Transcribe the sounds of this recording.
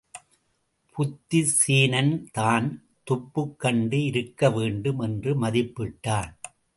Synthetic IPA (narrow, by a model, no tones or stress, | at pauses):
pʰʊt̪ːisiːnɐnt̪aːn | t̪ʊpːɯkːɐɳɖɯɪɾɯkːɐʋeːɳɖɯmɛndrɯmɐðɪpːɪʈːaːn